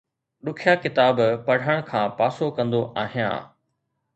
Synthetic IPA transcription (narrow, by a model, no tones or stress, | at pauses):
ɗʊkʰjakɪt̪aːbpɐɽ̤ʱəɽ̃kʰãːpaːsokɐ̃nd̪oʔaːɦijã̰ː